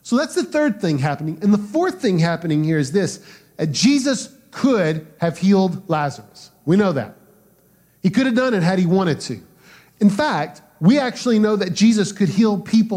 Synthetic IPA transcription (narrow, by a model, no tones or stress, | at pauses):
soʊðætsðɨθɜ˞d̪̚θɪ̃ŋɦæpənɪ̃ŋɨ̃nðəfɔɹθɪ̃ŋɦæpɨnɪ̃ŋhiɹɨzðɪs | ðɨt̚d̥ʒ̥izɨs | kʰʊd̚ɨv̥hilˠdlæzə̰˞ɨs | winoʊðæ̰t̚ | hikʊɾɨvdʌ̃ñɨt̚ɦɨɾ̚iwɑ̃ɾ̃ɨd̚tʰʉ̰ | ɨ̃nfæk̚t̚ | wiæk̚t͡ʃʉl̩ˠinoʊðɨt̚d̥ʒ̥izɨskʰɨd̚hil̚ˠpʰipl̩